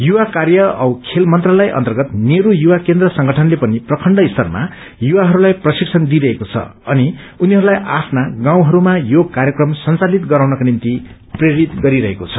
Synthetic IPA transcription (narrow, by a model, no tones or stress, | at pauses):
juwakarjʌʌwkʰelmʌnt̪ralʌjʔʌ̰nt̪ʌrɡʌt̪neɾujuwakend̪rʌsʌŋɡʌʈʰʌnlepʌniprʌkʰʌɳɖʌist̪ʌrma̰ | juwaɦʌɾulajprʌsiksʰʌnd̪iɾʌɦekot͡sʰʌ̰ʌniuniɦʌɾulajʔapʰnaɡãw̃ɦʌɾumajokaɾjʌkrʌmsʌnt͡salit̪ɡʌɾawnʌkonint̪i | preɾit̪ɡʌɾiɾʌɦekot͡sʰʌ̥